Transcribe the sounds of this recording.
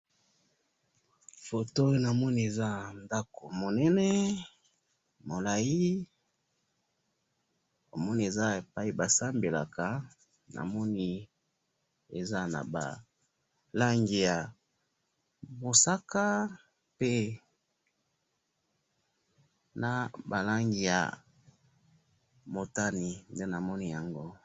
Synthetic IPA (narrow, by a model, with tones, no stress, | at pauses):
fo˨to˦na˨mɔ˦ni˦e˨za˦nda˦ko˨mo˨nɛ˦nɛ˦ | mo˨la˨ji˦ | o˨mɔ˦ni˦e˨za˦e˨pa˦i˨ba˨sa˦mbe˨la̰˨ka˨ | na̰˨mɔ˦ni˦ | e˨za˦na̰˨ba̰˨ | la˦ŋɡi˨ja˨ | mo˨sa˦ka˦ | pe˦ | na˨ba˨la˦ŋɡi˨ja̰˨ | mo˨ta˦ni˨nde˦na˨mɔ˦ni˦ja˨ŋɡo˦